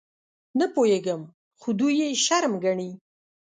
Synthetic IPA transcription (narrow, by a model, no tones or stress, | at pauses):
napojeɡəm | xod̪ujeʃaɾmɡaɳi